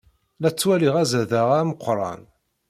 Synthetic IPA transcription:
læt͡sːwæliʁæzæðaʁaməqʰʷːɾˤɑ̰n

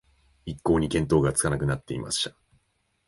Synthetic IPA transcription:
ikːo̞ːɲ̟ikẽnt̪o̞ːɡat͡sɨ̥kanakɯ̟nat̪ːe̞ḭma̰ɕi̥t̪ḁ

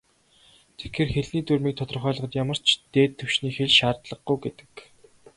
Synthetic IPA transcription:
t̪ʰe̥xʰeːrxeɮniːt̪urmiːk̚t̪ʰɔt̪ɞ̆rχœːɮə̆ə̆t̪jamə̆r̥t͡ɕʰt̪eːt̪ʰːɵwʃniːxeɮʃaːrt̪ɮə̆χɡujɡet̪ɘ̥̆k

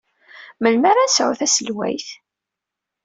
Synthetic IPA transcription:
məlmaɾænsʕʊ̰θæsəlwæ̰jθ

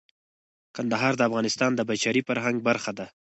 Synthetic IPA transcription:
kand̪aɦɑɾd̪əafɣɑnɪst̪ɑnd̪əbat͡ʃɑɾifaɾɦaŋɡ̚baɾxad̪a

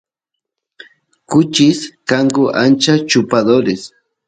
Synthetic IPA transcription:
kʊt͡ʃɪskaŋɡʊʔa̰nt͡ʃat͡ʃʊpad̪oɾɪs

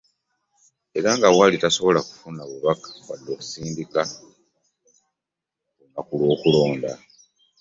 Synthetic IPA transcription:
e̞ɾaŋɡawalitaso̞βo̞laku̥funaβuβakḁwa̰dːo̞ːku̥siːndika | uumakulwo̞ːkulo̞ːnda̰

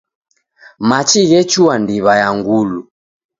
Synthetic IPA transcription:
mat͡ʃiɣɛt͡ʃuandiβajaŋɡulu

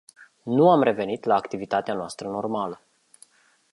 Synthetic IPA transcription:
nuamre̞ve̞nit̪laːkt̪ivit̪at̪eanoast̪ɾəno̞rmalə

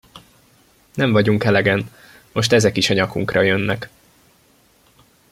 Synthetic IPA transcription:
nɛɱvɒɟuŋkɛlɛɡɛn | mo̞ʃt̪ɛzɛkiʃɒɲɒkuŋkrɒjønːɛk

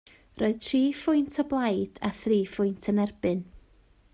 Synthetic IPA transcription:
rʔoɨðtʰriːfʊjntʰəblˠajd̥aθriːfʊjntʰənɛrb̥ɨn

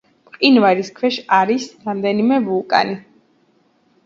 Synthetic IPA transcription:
pʼqʼinvaɾiskʰwɛʃaɾisɾamd̪ɛnimɛvulˠkʼa̰ni

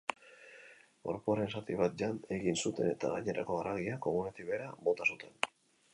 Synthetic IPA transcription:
ɡo̞̰ɾpuaɾe̞nsat̪iβat̪̚d͡ʒane̞ɣinsut̪e̞ne̞t̪a̰ɣajɲe̞ɾʔa̰ko̞arʔaɣ̞iako̞munet̪iβe̞ɾabo̞t̪asut̪ʰe̞n

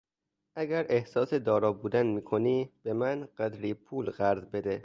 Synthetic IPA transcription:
ʔæɡæɾe̞hsɒːse̞d̪ɒːɾɒːbuːd̪ænmiːkʰo̞niːb̥e̞mænɢ̥æd̪ɾiːpʰuːlɢæɾzbe̞d̪e

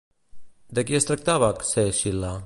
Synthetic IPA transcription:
d̪əkiəst̪ɾək̚t̪aβakseʃila

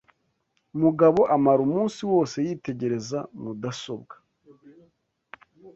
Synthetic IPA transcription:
umuɡaβo̞ʔamaɾumuːnsiwo̞ːse̞jiːte̞ɟe̞ɾe̞zamudaso̞bɡḁ

